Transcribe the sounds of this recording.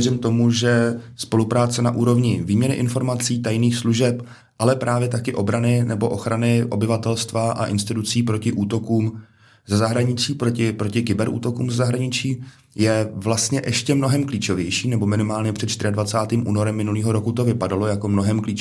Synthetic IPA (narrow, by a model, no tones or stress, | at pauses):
ɛrɪmt̪o̞muʒɛspo̞lupɾaːt͡sɛna̰ʔuːɾo̞vɲɪviːmɲɛnɪʔɪnfo̞ɾmat͡siːt̪ajniːxsluʒɛp | ʔalɛpɾʔaːvjɛt̪akɪʔo̞bɾanɪnɛbo̞ʔo̞xɾanɪʔo̞̰bɪvat̪ɛlst̪vaʔa̰ʔɪnst̪ɪt̪ut͡siːpɾocɪʔuːt̪o̞kuːm | zɛzaɦɾaɲɪt͡siːpɾocɪpɾo̞cɪkɪbɛɾʔṵːt̪o̞kuːmzɛzaɦɾaɲɪt͡ʃiː | jɛvlast̪ɲɛʔɛʃcɛmno̞ɦɛmkliːt͡ʃo̞vjɛjʃiːnɛbo̞mɪnɪmaːlɲɛpr̝̥ɛt̪t͡ʃt̪ɪ̝ɪadvat͡saːt̪iːmʔṵːnoɾɛmːɪnuliːɦo̞ɾokut̪o̞vɪpadalo̞jako̞mno̞ɦɛmkliːt͡ʃ